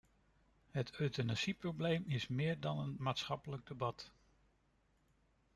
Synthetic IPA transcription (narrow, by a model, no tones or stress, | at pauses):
ɦətøɥtənasiprowblejmɪsmɪːɹdɑnənmaːtsχɑpələɡ̚dəbɑt